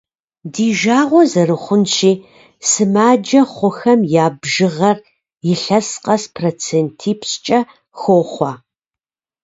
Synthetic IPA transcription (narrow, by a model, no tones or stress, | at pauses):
diːʒaːʁʷɔzɐɾɨχʷʊnʃiː | sɨmaːd͡ʒɐχʷʊxɐmjaːbʒɨʁɐr | jɪɬɐsqɐspʰrot͡sʰeːntʰiːpʰst͡ʃʼɐ | xoːχʷɑ